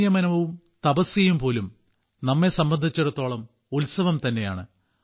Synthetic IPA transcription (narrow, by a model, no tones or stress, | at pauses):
jɐmɐnɐʋum | t̪ɐbɐsjɐjumpo̞ːlum | nɐmːe̞sɐmbɐnd̪ʱit͡ɕːeɽut̪ːo̞ːɭɐm | ulsɐʋɐmt̪ɐnːe̞ja̰ːɳɨ